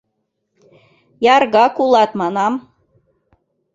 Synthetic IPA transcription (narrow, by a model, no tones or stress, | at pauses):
jɑrɣɑkulˠɑt̪mɑnɑm